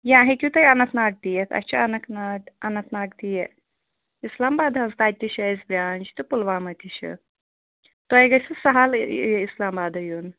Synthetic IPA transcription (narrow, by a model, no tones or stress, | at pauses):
jãːɦekʲut̪ɐjɐnɐt̪naːʈ̚t̪ijet̪ʰɐ̰t͡ʃʰɐɐnɐknaɐnɐt̪naːɡt̪ije | islaːmbaːd̪ʱɐ̃nzt̪aːd̪̚ʲt̪ʲiʃɐjzbɾʲaːnʲd͡ʒt̪ɨpulʋaːmɐt̪ʲiʃɐ̰ | t̪ojɡɐsɨsɐɦalislaːmbaːd̪ʱɐjun